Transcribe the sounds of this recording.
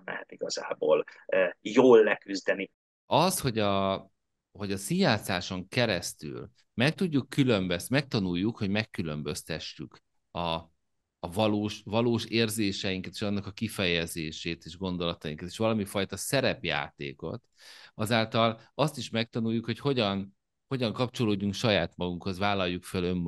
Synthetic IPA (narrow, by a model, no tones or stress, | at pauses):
lɛ̰ɦɛt̪iɡɒza̰ːbo̰ːlːjoːlːɛkyzd̪ɛni | ɒsho̞ɟɒ | ho̞ɟɒsijaːsaːʃo̞ŋkɛɾɛst̪y̰ːl | mɛk̚t̪uɟːukːylø̞mbøsmɛk̚t̪ɒnujːukho̞ɟmɛkːylø̞mbøst̪ɛʃːyk | ɒː | vɒloːʃvɒloːʃeːrzeːʃɛjiŋkɛt̪eːʃɒnːɒkɒkifɛjɛzeːʃeːt̪eːʒɡo̞nd̪o̞lɒt̪ɒjiŋkɒt̪e̥ːʃʋɒlɒmifɒjt̪ɒsɛɾɛpja̰ːt̪ḛːko̞̰t̪ɒzaːlt̪ɒlɒst̪iʃmɛk̚t̪ɒnujːukho̞cho̞ɟɒn | ho̞ɟɒŋkɒp̚t͡ʃo̞loːɟːuŋkʃɒjaːt̪mɒɡuŋkho̞zvaːlːɒjːukfølø̞mː